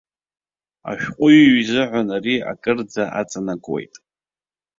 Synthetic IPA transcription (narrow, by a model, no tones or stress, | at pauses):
a̰ʃᶣqʷʼʊjɥzɨʕʷanaɾia̰kʼɨrd͡zaʔat͡sʼanakʼwe̞̰jtʼ